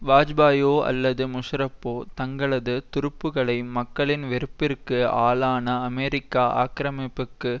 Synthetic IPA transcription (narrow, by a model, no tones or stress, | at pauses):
ʋaːd͡ʒbaːjoːʔɐ̰lːɐðɯmʊʂɾɐpːoːt̪ɐŋɡɐɭɐðɯt̪ʊɾɯpːɯɣɐɭɐɪmɐkːɐɭɪnʋɛɾɯpːɪrkɯaːlaːnɐːmɛɾɪkːaːʔa̰ːkɾɐmɪpːɯkːɯ